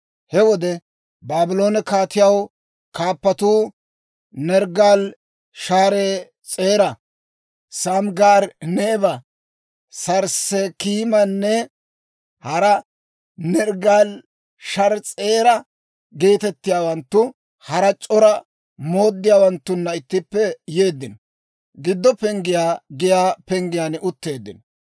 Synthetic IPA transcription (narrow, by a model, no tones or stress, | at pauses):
hɛwɔd̪ɛ | baːbɪlo̞ːnɛkaːt̪ɪjɐw | kaːpːɐt̪uː | nɛɾɡaːl | ʃaːɾeː | t͡sʼe̞ːɾɐ | sɐmɡaːɾneːbɐ | sɐɾsɛkiːmɐnːɛ | hɐɾɐ | nɛɾɡaːl | ʃɐɾt͡sʼe̞ːɾɐ | ɡe̞ːt̪ɛt̪ːɪjaːwɐnt̪ːʊ | hɐɾɐt͡ʃʼɔɾɐ | mo̞ːd̪ːɪjaːwɐnt̪ːʊnːɐɪt̪ːɪpːɛje̞ːd̪ːɪnɔ | ɡɪd̪ːɔpɛŋɡɪjaːɡɪjaːpɛŋɡɪjaːnʊt̪ːe̞ːd̪ːɪnɔ